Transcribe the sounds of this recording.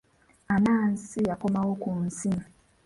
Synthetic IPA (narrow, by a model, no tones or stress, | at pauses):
anaːn̩siakomawokun̩sim̩